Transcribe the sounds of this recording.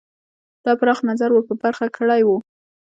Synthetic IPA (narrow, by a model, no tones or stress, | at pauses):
d̪̥ɑpɾɑxnazaɾwəpəbaɾxakəɽajwu